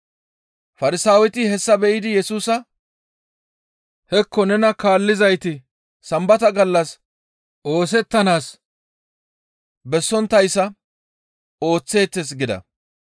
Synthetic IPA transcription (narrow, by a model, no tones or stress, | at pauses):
fɐɾɪsaːwɛt̪ɪhɛsːɐbɛʔɪd̪ɪjɛsuːsɐ | hɛkːɔnɛnɐkaːlːɪzɐjt̪ɪ | sɐmbɐt̪ɐɡɐlːɐs | ʔo̞ːs̬ɛt̪ːɐnaːs | bɛsːɔnt̪ːɐjsːɐ | o̞ːt͡sːe̞ːt̪ːes̬ɡɪd̪ɐ̰